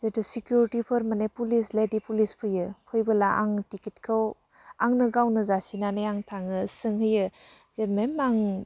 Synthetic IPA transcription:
zedɯsikjuɾitipʰɯɾmanepulisledipulispʰɯjɯpʰɯjbɯlaʔa̰ŋtikit̚kʰaw | aŋnɯɡawnɯzasinanejaŋtʰaŋɯsɯŋɦɯjɯ | zememaŋ

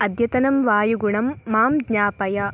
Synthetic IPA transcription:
ɐd̪ʱjɐt̪ɐnɐmʋaːjuɡuɳɐmːaːmɡɲaːpɐjɐ

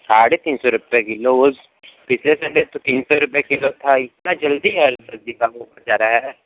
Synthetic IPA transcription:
saːɽeːt̪iːnsɔːɾʊpjekɪloʊs | pɪt͡ʃʰlesəɳɖet̪ot̪iːnsɔːɾʊpjakɪlːot̪ʰaɪt̪naːd͡ʒəld̪iːɦɛbɾəd̪ikaːboːbad͡ʒaːɾaːɦɛː

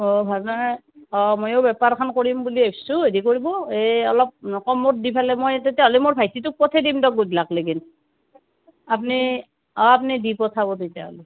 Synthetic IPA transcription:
ɔbʱabna | ɔmojowbɛpaɹkʰankoɹimbuliestuɦedikoɹibɔeɔ̰lɔp̚nɔkɔmot̚dipʰalɛmojtetjaɦolimoɹbʱajtitʊk̚pɔtʰɛdimdɔk̚ɡudlakleɡin | ap̬ni | ɔap̬nidipɔtʰabɔtejtja̰ɦɔ̰li

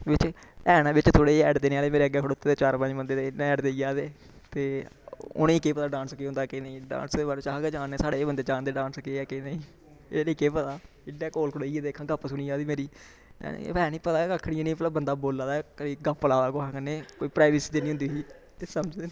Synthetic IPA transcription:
ʋɪt͡ʃɛːɽ̃ãːbɪt͡ʃt̪ʰoːɽeːɛːɖd̪eːnẽaːleːmeːɾeːəɡːeːkʰːɽʊt̪ːeːd̪eːt͡ʃaːɾpə̃d͡ʒbənd̪eːt̪eːnːɛːɖd̪eːiaːd̪eː | t̪eːʊ̰nẽːkeːpət̪aːɖãːnskeːʊ̃nd̪aːkenəĩːɖã̰ːnsd̪eːbaɾt͡ʃaːɦɡɛːd͡ʒaːnːeːsaːɽeːbənd̪eːd͡ʒãːnd̪eːɖãːnskeːɛːkɪnĩː | ɾiːkeːpət̪aː | ɪɖɛːkoːlkʰʊɽːiːed̪eːkʰãːɡəpːsʊniːaːd̪iːmeːɾḭː | pɛːnĩːpət̪aːəkʰːɽiẽːnĩːmət̪ləbːənd̪aːboːlãːd̪akəɾiːɡəpːəlaːd̪aːkoaːkəneːkoːiːpɾaːʋɪsiːd̪eːnĩːʊ̃nd̪iːɦiː | t̪eːsəməd͡ʒ̪e

